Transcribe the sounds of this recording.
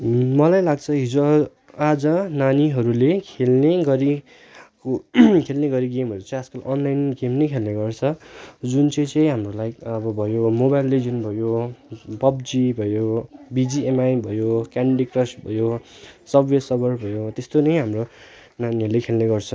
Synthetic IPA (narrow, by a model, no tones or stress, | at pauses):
mʌlajlaɡ̚t͡sʰʌɦid͡zo | ad͡zʌnaniɦʌɾulekʰelneɡʌɾi | kʰelneɡʌɾiɡemɦʌɾut͡sʌ̃j̃askʌlʔʌnlajnɡemnʌjkʰelneɡʌrt͡sʰʌd͡zunt͡sʌĩt͡sʌj̃ɦamrolajʌbʌbʱʌjomobajlːed͡zunbʱʌjobʌbd͡zibʱʌjobid͡ziemajbʱʌjokaɳɖikrʌsbʱʌjosʌbwesʌbʌrbʱʌjot̪est̪onʌjɦamro | naniɦʌɾulekʰelneɡʌrt͡sʰʌ